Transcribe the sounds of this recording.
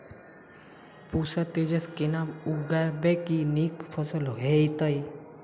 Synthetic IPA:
pusat̪ed͡ʒeskenauɡabekinikpʰɔsəlɦeit̪əj

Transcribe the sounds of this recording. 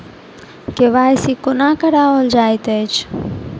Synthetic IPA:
keʋaːsikʊnaːkɐɾaːoːld͡ʒaːjt̪et͡ʃ

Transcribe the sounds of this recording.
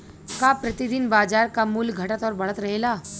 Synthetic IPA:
kaːpɾɐt̪id̪ɪnbaːd͡ʒaːɾkamuːlɡʱɐʈət̪ɔːɾbɐɭət̪ɾɐɦelaː

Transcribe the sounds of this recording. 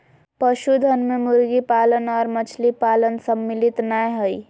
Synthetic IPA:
pəʃud̪ʱənmemuɾɡipalənɔɾmət͡ʃʰlipalənsəmːilit̪najɦoi

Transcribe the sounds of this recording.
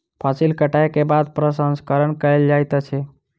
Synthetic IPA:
pʰasilkəʈajkebad̪̚pɾəsə̃nskəɾənkəeld͡ʒajt̪ət͡ʃʰɛ

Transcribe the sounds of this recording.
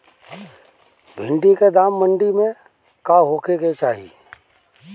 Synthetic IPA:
bʱɪ̃ɳɖiked̪aːmːəɳɖimẽ | kaɦoːkeket͡ʃaːɦḭ

